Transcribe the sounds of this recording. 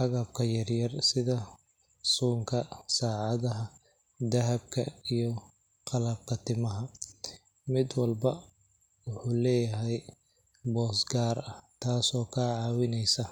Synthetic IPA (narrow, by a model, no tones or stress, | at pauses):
ħɑɣɐb̚kʰɐjɐrjɐrsɪðɐ | suːŋkʰɐsaːʕɑðɐɦɐ | d̪ɐɦɐb̚kʰɐijɞ | qɑlɐb̚kʰɐt̪ʰɪmɐɦɐ | mɪd̪wɑlbɐ | wʊħuːlɛːjɐɦɛj | bɔːsɡaːrɐht̪ʰaːsɔːkʰaːʕɑːwɪnɛjsɐ